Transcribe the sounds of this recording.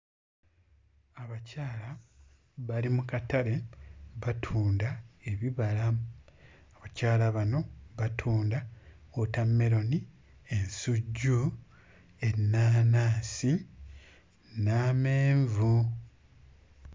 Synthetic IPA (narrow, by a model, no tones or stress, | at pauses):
aβacaːla | βalimukataɾe̞βatʰuːndae̞βiβala | aβacaːlaβano̞βatʰuːnda | otamːe̞ɾo̞ni | e̞nsuɟːu | e̞nːaːnaːsi | naːmeːɱvu